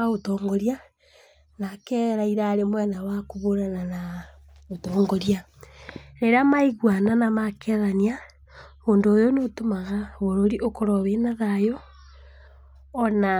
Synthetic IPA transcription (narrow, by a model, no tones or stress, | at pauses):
aotɔːŋɡɔɾja | nakɛɾaiɾaɾemwɛnawakuβoɾanana | otɔːŋɡoɾja | ɾeɾamaiɣwananamakeðania | βoːndoːjonotomaɣaβoɾoɾiʔokoɾɔβenaðajɔ | na